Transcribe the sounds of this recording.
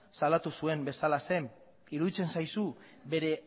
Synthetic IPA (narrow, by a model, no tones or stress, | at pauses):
salat̪usue̞mbe̞salase̞m | iɾuðit͡se̞nsajsu | be̞ɾe̞